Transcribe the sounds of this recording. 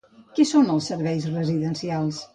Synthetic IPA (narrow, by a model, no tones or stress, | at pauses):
kɛsonəlˠsːəɾβɛjzrəziðənsialˠs